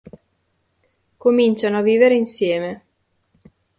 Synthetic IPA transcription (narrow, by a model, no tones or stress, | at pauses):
komint͡ʃanoavːiːveɾeinsjɛːme